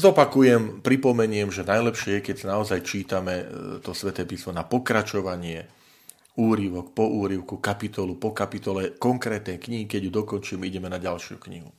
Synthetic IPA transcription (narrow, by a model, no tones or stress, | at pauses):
zɔpakujɛmpɾipɔmɛɲɪɛmʒɛnajlɛpʃɪɛjɛkɛcsanaɔzajt͡ʃiːt̪amɛt̪ɔsʋɛt̪ɛːpismɔnapɔkɾat͡ʃɔʋaɲɪɛ | uːɾiʋɔk̚pɔʔuːɾiʊkukapit̪ɔlupɔkapit̪ɔlɛkɔŋkɾɛːt̪nɛjkɲiɦikɛɟjud̪ɔkɔnt͡ʃiːmiɟɛmɛnaɟalʃɪṵkɲḭɦṵ